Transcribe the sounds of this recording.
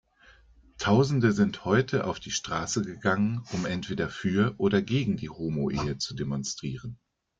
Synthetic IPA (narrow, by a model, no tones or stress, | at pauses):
tʰaʊzn̩dəzɪnthɔʏtʰəʔa̰ʊfd̥iːʃtʁ̥aːsəɡəɡaŋənʔʊmʔɛntv̥eːdɐfyːɐʔoːɾɐɡeːɡŋ̩diːhoːmoʔeːət͡sudemɔnstʁ̥iːʁ̞ən